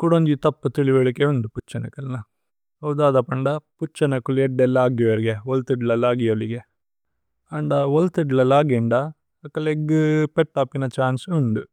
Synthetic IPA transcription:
kuɽond͡ʒ̪it̪ɐpːɐt̪iɭiʋeɭikeond̪uput͡ʃːɐnɐkɐlnɐ | ɦɐwd̪aːd̪ɐpɐɳɖɐput͡ʃːɐnɐkulɛɖːɛlːɐaːɡiʋɐɾɡeolt̪iɖlɐlaːɡijɐliɡe | ɐɳɖɐʋolt̪iɖlɐlaːɡiɳɖɐ | ɐkːɐleɡɨpeʈːaːpːinɐt͡ʃaːnsunɖ̪u

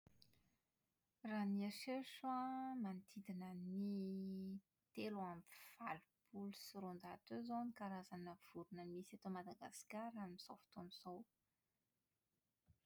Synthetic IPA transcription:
raniaʃeʃwamant̪ʰid̪inəni | t̪eluamfalupulusiɾond̪at̪øzonikaɾazanəv̥uɾunəmisat̪omad̪aɡa̰skaɾaminizofi̥t̪onizow

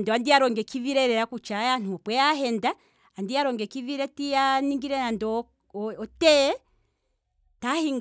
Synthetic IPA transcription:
ndɔandiaɾɔŋɡɛkiviɾɛɾɛɾakut͡ʃajan̥uɔpwɛjaɦɛndaː | ndijaɾɔŋɡɛkiviɾɛtijaniŋɡiɾɛnandɔ | ɔtɛ | tahiŋ

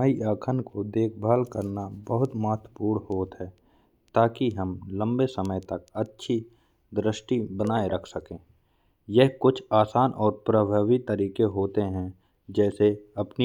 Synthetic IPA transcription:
aiaːkʰənkod̪eːkʰbʱaːlkəɾnabəɦʊt̪maːt̪wəpuːɽɦoːt̪ɦɛː | t̪aːkiɦɐmlə̃mbesəməjt̪ɐk̚ɐtːʃʰi | d̪ɾɪʃʈibənaːeɾəkʰsəkẽː | jɛɦkʊt͡ʃʰaːsaːnʔɔːɾpɾəbʱaːʋit̪əɾiːkeɦoːt̪eɦɛ̃ | d͡ʒɛːseɐpni

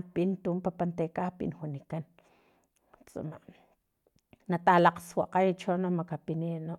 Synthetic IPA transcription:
pint̪uːmpapant̪ekapḭnwunikan | t͡sṵma̰ | nat̪alaqswaqajt͡ʃonomakapinino

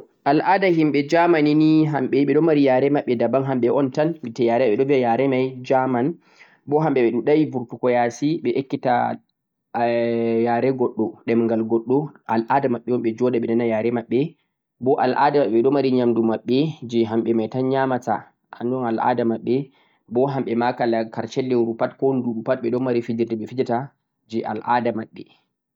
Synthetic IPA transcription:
ʔalʔadahimɓɛd͡ʒamaniniɦamɓɛɓɛɗɔmaɾijaɾɛmaɓːɛdabanɦamɓɛɔntanitɛjaɾɛɛɓɛɗɔviajaɾɛmajd͡ʒaman | bɔɦamɓɛɓɛɗinɗajivuɾtukɔjasiɓɛʔekːita | jaɾɛɡɔɗːɔɗɛmŋɡalɡɔɗːɔalʔadamaɓːɛwɔmɓɛd͡ʒɔdaɓɛnanajaːɾɛmaɓːɛ | bɔʔa̰lʔa̰damaɓɛɓɛɗɔmaɾiɲamdumaɓːɛd͡ʒɛɦamɓɛmajtanɲamata̰ | ʔa̰ndɔnalʔa̰damaɓːɛ | bɔɦamɓɛmakalakaɾt͡ʃɛlːɛɾupatkɔnduɓupat̚ɓɛɗɔmaɾifid͡ʒiɾtɛɓɛfid͡ʒata | d͡ʒɛʔa̰lʔa̰damaɓːɛ

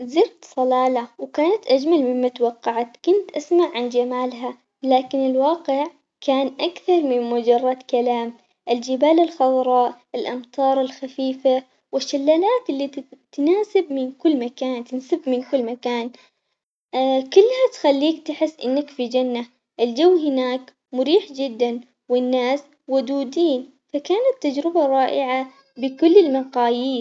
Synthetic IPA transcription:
zɪɾt̪sˤɑlɑːlawkaːnat̪ʔad͡ʒmalmɪmːat̪wɑqːɑʕat̪kʊnt̪ʔasmaʕʕand͡ʒamaːlɦa | laːkɪnɪlwɑːqɪʕ | kʰaːnʔakθɑɾˤmɪnmʊd͡ʒɑrˤːɑd̪kalaːm | ʔɪld͡ʒɪbaːlɪlxɑd̪ˤɾˤɑːʔʔɪlʔɑmt̪ʰˤɑːɾˤɪlxafiːfa | wɪʃːalːaːlaːt̪ɪlːit̪naːsɪb̚mɪnkʊlːmakaːnt̪ɪnsɪbmɪnkʊlːmakaːn | kʊlːhat̪xalːiːkt̪ɪħɪsːʔɪnːakfid͡ʒanːa | ʔɪld͡ʒawːɦɪnaːk | mʊɾiːħd͡ʒɪd̪ːan | wɪnːaːs | wʊd̪uːd̪iːn | fakaːnat̪ːad͡ʒɾɪbaɾˤɑːʔɪʕa | bɪkʊlːɪlmaqɑːjiːs

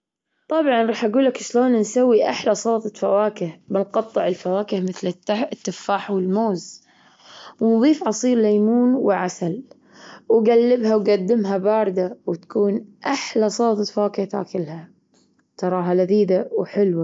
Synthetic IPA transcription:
t̪ˤɑbʕɑnɾˤɑːħʔaɡuːlːakʃloːnansawːiʔaħlasˤoːt̪ˤɨfawaːkɪhbɪnqɑt̪ˤːɨʕɪlfawaːkɪhmɪθlt̪ːɪfːaːħwɪlmoːz | wnðˤiːfʕɑsˤiːɾlajːmuːnwɪʕasal | wɡalːɪbhawɡad̪ːɪmɦabɑːɾˤd̪awt̪ḁkuːnʔaħlasˤoːt̪ˤt̪fawaːkɪht̪a̰ːkɪlha | t̪ɑɾˤɑːɦalaðiːd̪awħɪlwa

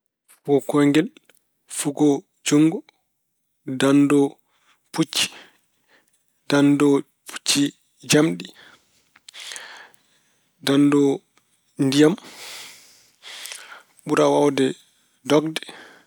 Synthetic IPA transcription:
fuɡɔkɔŋɡɛl | fuɡɔ | d͡ʒuŋɡɔ | dandɔ | put͡ʃːi̥ | d̥andɔ | pʰu̥t͡ʃːi | d͡ʒamɗi | dandɔ | ndijam | ɓuɾawawdɛ | dɔɡ̚dɛ̥

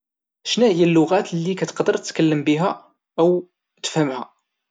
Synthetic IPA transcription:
ʃnæhjælːʊɣæt̪lːikæt̪ə̥qd̪əɾt̪əkəlːəmbiɦæ | əw | t̪ə̥fhəmhæ̰

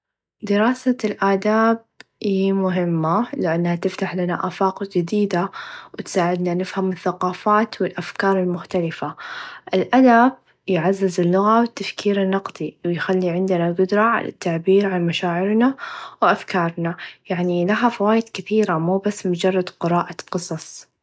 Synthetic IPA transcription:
d̪ɪɾɑːsalʔaːd̪aːb̚ | ʔijmʊɦɪmːalɪʔanːhat̪ɪft̪aħlanaʔaːfɑːqd͡ʒɪd̪iːd̪awɪt̪saːʕɪd̪nanɪfhamɪθːaqɑːfaːt̪wɪlʔafkɑːɾˤɪlmʊxt̪alɪfaʔɪlʔad̪ab̚ | jʕazːɪzɪlːʊɣawɪt̪ːafkiːɾɪnːɑqd̪ˤiwɪjxalːiʕɪnd̪ɪnaɡʊd̪ɾˤɑʕa̰la̰t̪ːaʕbiːɾʕanmaʃaːʕɪɾnawʔafkɑːɾˤnajaʕnilaɦafawaːjɪd̪̥kɪθiːɾamuːbasːmʊd͡ʒɑrˤːɑd̪qɨɾɑːʔaqɨsˤɑsˤ

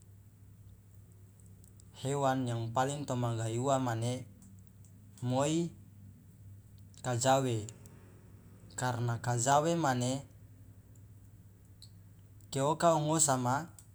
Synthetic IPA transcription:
hewanjaŋpaliŋt̪omaɡajuamane | moi | kad͡ʒawe | karnakad͡ʒawemane | keokaɔŋosama

